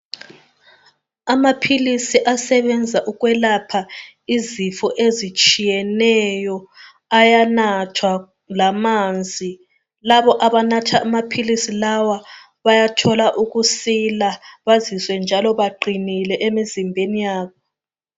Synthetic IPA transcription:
amapʰilisiʔasɛβɛnd͡zʱaʔuɣwɛlapʰa | izifɔʔezit͡ʃʼijɛnɛjɔ | ajanatʰwa | lamand͡zʱi | laβɔʔaβanatʰaʔːmapʰilisilawa | βajatʰɔlaʔuɣusilaβaziswɛnd͡ʒʱalɔβaɡ͡ǃʱinilɛʔemizimbʱenijaːβɔ

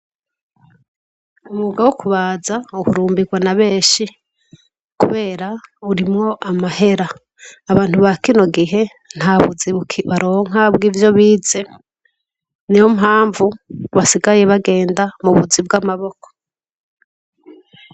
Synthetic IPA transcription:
umuɡawokuβazaukuɾuːmbiɡwanaβe̞ːʃi | kuβe̞ːɾauɾimŋo̞ʔamahe̞ɾaː | βaːn̥huβakino̞ɡiɦe̞ | n̥haβuziβukʰiβaɾo̞ːŋabɡiːvjo̞βiːze̞ | nijomɦaːɱvuβasiɡaje̞βaɡe̞ːndamuβud͡zib̚ɡamaβo̞ko̥

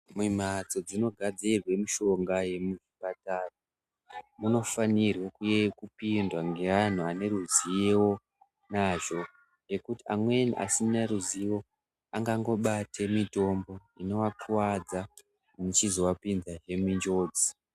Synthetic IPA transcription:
mwim̤at͡so̞d͡zino̞ɡʱad͡zirwe̞muʃo̞ŋɡaje̞muʐipataru | muno̞fanirwekujekupindwaŋɡe̞an̤uane̞ruzijewo̞ | naʒo̞ | ŋɡe̞kutiamwe̞niʔa̰sineruziwo̞ | aŋɡaŋɡo̞ɓatʰe̞mito̞mbo̞ | ino̞wapʰuwad͡za | mut͡ʃizo̞wapinzaʐe̞mind͡ʒo̞ːd͡zi

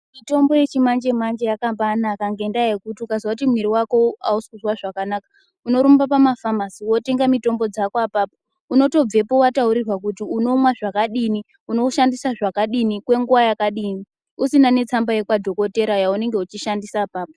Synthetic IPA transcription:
mito̞mbo̞je̞t͡ʃimand͡ʒe̞mand͡ʒejakambaːnakaŋɡe̞ndajekutiukazwakutimwiɾiwako̞a̰usikuzwaʐakanakḁ | uno̞ɾumbapamafamasiwo̞te̞ŋɡamito̞mbo̞d͡zakoapaːpo | uno̞to̞b͡ve̞po̞watauɾirwak̬utiuno̞mwaʐakaɗini | uno̞ʃandisaʐakaɗinikwe̞ŋɡuwajakaɗiːni | usinane̞t͡sambaje̞kwadʱo̞ko̞te̞ɾajaune̞ŋɡe̞ut͡ʃiʃandisaːpaːpo

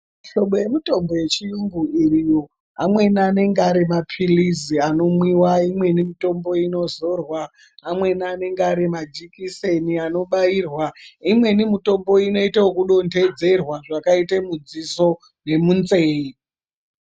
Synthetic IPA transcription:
ʃo̞ɓo̞je̞mito̞mbo̞je̞t͡ʃijuŋɡuirijo | amwe̞nane̞ŋɡaɾemapʰiliziano̞mwiwaimwe̞nimito̞mbo̞ino̞zo̞rwaː | mwe̞naːne̞ŋɡaɾemad͡ʒikiseniano̞ɓairwaimwe̞nimito̞mbo̞ino̞itaokuɗo̞nde̞d͡ze̞rwaʐakaitemud͡ziso̞ | ne̞munzeːi

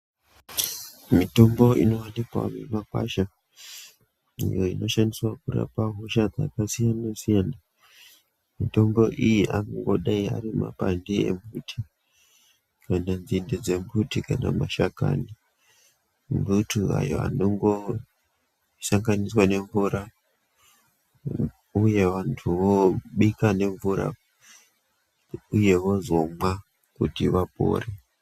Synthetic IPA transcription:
mito̞mbo̞ḭno̞wanikwa̰memakwa̰ʃa | ḭjo̞ino̞ʃandiswakura̰paɦoʃad͡zakasijanasijana | mito̞mbo̞ʔijiʔanaŋɡo̞ɗaia̰ɾimapandeḛmbutʰi | kananzinded͡ze̞mbʱutikana̰maʃaka̰ni | mbutʰua̰jo̰a̰noŋɡo̞ | saŋɡaniswane̞ɱvuɾa | uje̞ʋantʰuʋoɓikane̞ɱvuɾa̰ | uje̞ʋo̞zo̞mwa | kutiʋapo̞̰ːre

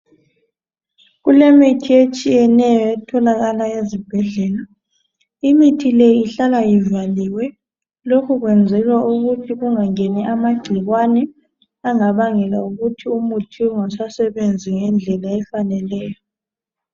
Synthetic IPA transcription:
ɣulemitʰiet͡ʃʼijɛnɛjɔɛtʰɔlaɣalaezib̥ʱɛɮɛla | imitʰilejiiɬalajivaliwɛ | lokʰuɣwɛnd͡zʱɛlwaʔuɣutʰiɣuŋaŋɛnɛʔamaɡ͡ǀ̥ʱiɣwanɛ | aŋaβaŋɛla̰uɣutʰiumutʰiuŋasasɛβend͡zʱiŋɛnd͡ɮʱɛlaɛfanɛlɛːjɔ

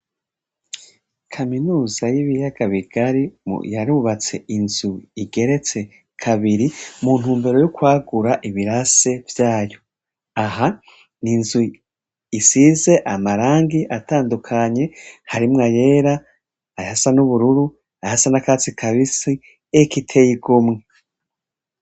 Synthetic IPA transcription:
kʰaminuːzajiβijaɡaβiɡ̥aɾḭjaɾuβat͡se̞inzuiɡe̞ɾe̞t͡se̞ | kʰaβiɾimun̥huːmbe̞ɾo̞jukwaːɡuɾaʔiβiɾase̞vjaːjo̞ | aɦa | ninzu | isize̞ʔamaɾaːŋɡiʔataːndukʰaɲe̞haɾimŋaje̞ːɾa | ajasanuβuɾuɾu | ajasanakat͡sikʰaβisi | ekitʰe̞jiɡumŋe

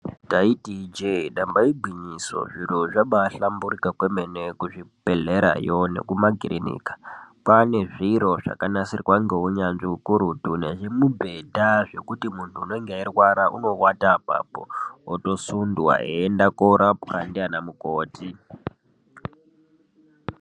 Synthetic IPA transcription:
taitid͡ʒeɗambaibʱwiɲiso̞̰ʐiɾoʐaɓaɬamburikakwemene̞kuʐipeɮeɾa̰jo̞ne̞̰kumaɡʱirinḭːkḁpane̞ʐiɾo̞ʐ̥a̰kanasirwaŋɡeuɲanʐiukuɾutune̞̰ʐe̞mubʱe̞dʱaʐe̞kutimuntʰuːno̞iŋɡeirwaɾaʔṵno̞watapa̰po̰ːto̞sundwa̰ḛendakoɾʔapxandianamukoːtʰi

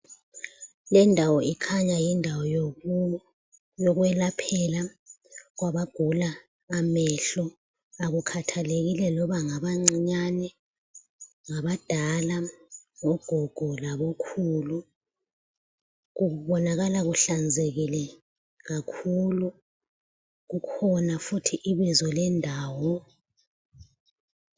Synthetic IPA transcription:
lɛndʱawɔikʰaɲajindʱawɔj | jɔk̬wɛlapʰɛla | ɣ̬waɓaɡ̥ʱulaː | mɛɬɔ | aɣukʰatʰaleɣ̬ilɛlɔɓaŋaɓaŋ͡ǀiɲanɛ | ŋaɓad̥ʱalaŋɔɡ̥ʱɔɡ̥ʱɔlaβɔkʰuːlu | ɣuβɔnaɣalaɣuɬand͡zʱeɣilɛ | ɣakʰulu | ɣukʰɔnafutʰiʔiβizɔlɛndʱaːwɔ

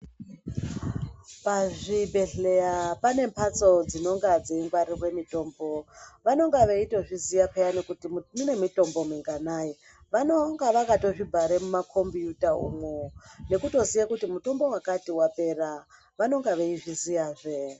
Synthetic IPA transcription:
paʐibʱe̞ɮejapane̞mpʰat͡so̞d͡zino̞ŋɡad͡zeiŋɡwaɾirwe̞mito̞ːmbo̞ʋano̞ŋɡaʋeito̞ʐizijapejannine̞mito̞mbo̞miŋɡanai | ʋanoŋɡaʋakato̞ʐibʱaɾemumakʰo̞mbijutaṵmone̞kuto̞zijakutimuto̞mbo̞wakatiwape̞ra | ʋano̞ŋɡaʋeiʐizijaːʐe

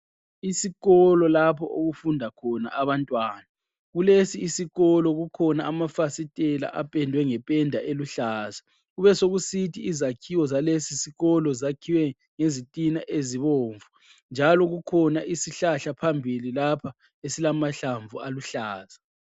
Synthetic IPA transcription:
isiɣɔlɔlapʰɔʔoɣufundʱakʰɔna̰ʔaβantʼwaːna | ɣulesiːsiɣɔlɔɣukʰɔnaːmafasitʼɛla̰ʔapʼɛndʱwɛŋɛpʼɛndʱaʔeluɬaːza | ɣuβɛsoɣusitʰiːzakʰiwɔzalesisiɣɔlɔzakʰiwɛ | ŋezitʼina̰ʔeziβoːɱvu | nd͡ʒʱalɔɣukʰɔnaʔisiɬaɬapʰambʱililapʰa | esilamaɬaɱvʱualuɬaːza

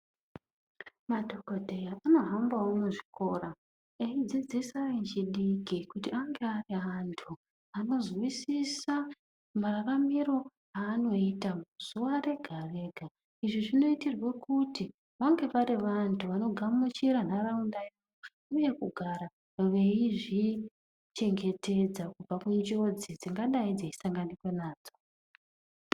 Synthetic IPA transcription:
madʱo̞ko̞dʱe̞jaʔano̞ɦambawomuʐiko̞ra | eid͡zid͡zisaent͡ʃiɗikikutiaŋɡe̞ariɦantʰu | ano̞zwisisa | mararamiɾo̞ | aːno̞itamuzuware̞ɡʱare̞ːɡʱa | iʐiʐino̞itirwe̞kuti | ʋaŋɡe̞ʋaɾiʋantʰuʋano̞ɡʱamut͡ʃiɾan̤araundao | o | uje̞kuɡʱaɾa | ʋe̞iʐi | t͡ʃe̞ŋɡe̞te̞d͡zakub͡vakuɲd͡ʒo̞d͡zid͡ziŋɡaɗaid͡zei̥saŋɡanikwe̞naːd͡zo̞̥

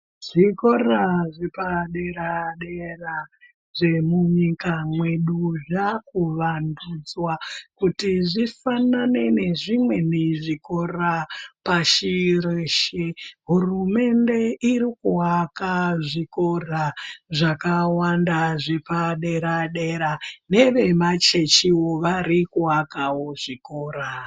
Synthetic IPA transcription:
ʐ̥ikoraʐepaɗeɾaɗera | ʐ̥e̞muɲikamwe̞ɗuʐakuʋandud͡zwakutiʐifanane̞ne̞ʐimwe̞neʐiko̞rapaʃireʃeɦurume̞nde̞iɾikuwakaʐiko̞raʐakawandaʐepaɗe̞ɾaɗe̞ɾane̞ʋe̞mat͡ʃe̞t͡ʃiwoʋaɾikuakawo̞ʐiko̞ːɾa

